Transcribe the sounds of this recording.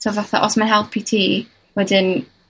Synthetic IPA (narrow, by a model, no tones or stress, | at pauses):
tʰovaθa̰ʔɔsmanɦɛlˠpʰitʰiː | wɛdɪn